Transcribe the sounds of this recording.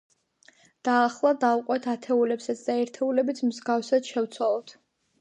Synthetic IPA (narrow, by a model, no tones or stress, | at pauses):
d̪̥aːχlˠad̪avuqʼwɛt̪ʰat̪ʰɛulɛpsat̪sʰd̪aɛɾt̪ʰɛulɛbit̪sʰmzɡafsad̪ʃɛvt̪sʰwalˠɔt̪ʰ